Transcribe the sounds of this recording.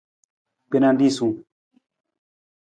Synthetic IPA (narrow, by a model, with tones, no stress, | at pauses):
pe˦nã˧ndi˦˨sũ˨